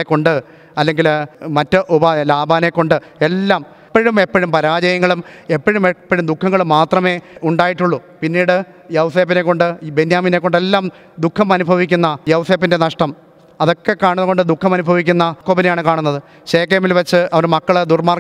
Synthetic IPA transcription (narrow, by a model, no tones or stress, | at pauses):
ekːo̞ɳɖɨ | ɐlːe̞ŋɡilmɐtːɨʔubɐlaːbaːne̞kːo̞ɳɖɨ | e̞lːaːm | pːɐɻume̞pːɐɻumpɐɾaːd͡ʑɐjɐŋːɐɭumepːɐɻumepːɐɻumd̪ukʰːɐŋːɐɭumaːt̪rɐme̞uɳɖaːjiʈːuɭːupinːiːɽɨjɐwse̞ːpine̞kːo̞ɳɖɨbe̞njaːmine̞kːo̞ɳɖelːaːm | d̪ukʰːɐmɐnubʱɐʋikʲːunːɐjɐwse̞ːpinde̞nɐʂʈɐm | ɐðo̞kːe̞kːaːɳunːuɣo̞ɳɖɨd̪ukʰːɐmɐnubʱɐʋik̬ʲːunːɐkːobɐnjaːɳɨkaːɳunːɐðɨ | ɕe̞ːk̬ːɐmilʋɐt͡ɕːɨʔɐʋɐɾumɐkːɐɭd̪urmaːr